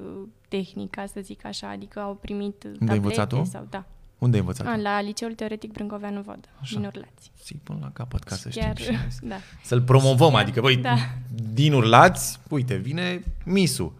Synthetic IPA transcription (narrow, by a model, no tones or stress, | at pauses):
t̪e̞xnikasəzikaʃa̰ːd̪ikəawpɾimit̪und̪eajĩətesat̪osa̰wd̪aund̪eajnvət̪sa̰lalit͡ʃe̞ult̪e̞o̞ɾe̞t̪ik̚bɾɨŋkovanuvo̰d̪əaʃd̪ianurla̰t̪sʲsejpṵnla̰kapət̪kʰasə̰ʃt̪iesd̪asəlpɾo̞mo̞vəmad̪ikəbəjdd̪inurlat̪sʲujt̪̬e̞vine̞misṵ